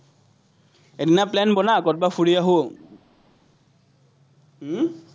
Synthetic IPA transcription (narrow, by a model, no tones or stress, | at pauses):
edinaplɛnbɔnakɔt̚bafʰuɹijaɦo